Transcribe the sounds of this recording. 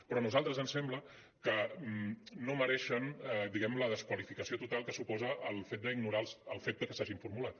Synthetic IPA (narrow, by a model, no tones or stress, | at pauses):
pɾɔnuzalˠt̪ɾəzənsɛmblə | kəmnoməɾɛʃənd̪iɣɛmləðəskwəlifikəsiot̪ut̪alˠkəsupɔzəʔːlˠfet̪̚d̪əiɡnuɾalsəlˠfet̪̚d̪əkəsaʒiɱfuɾmulat̪